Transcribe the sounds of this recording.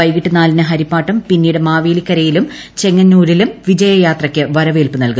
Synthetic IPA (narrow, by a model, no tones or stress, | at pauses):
ɐjkiʈːɨnaːlinɨɦɐɾipːaːʈːɐmpinːiːjuɽɨmaːʋeːlikʲːɐɾɐjilum | t͡ɕe̞ŋːɐɲːuːɾilumʋid͡ʑɐjɐjaːt̪rɐkʲːɨʋɐɾɐʋeːlpɨnɐlkum